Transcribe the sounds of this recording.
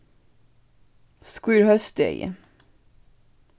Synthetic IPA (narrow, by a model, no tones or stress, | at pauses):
skwiːɹhœst̪ḛɪ